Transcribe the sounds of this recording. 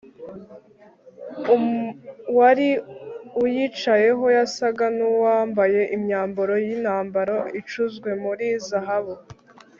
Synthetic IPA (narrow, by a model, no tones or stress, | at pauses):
waɾiujit͡ʃaje̞ɦo̞jasaɡanuwaːmbaje̞ʔimɲaːmboɾo̞jinhaːmbaɾoit͡ʃuzɡwe̞muɾizaɦaβo